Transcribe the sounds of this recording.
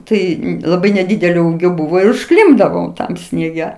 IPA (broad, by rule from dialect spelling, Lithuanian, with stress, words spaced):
ˈtɐɪ lˠɐˈbɐɪ nʲɛˈdʲiːdʲɛlʲoː ˈuːɡʲoː ˈbʊʋoː ɪr ʊʃˈklʲɪmbdɐʋoːm ˈtɐm sʲnʲiɛˈɡʲɛ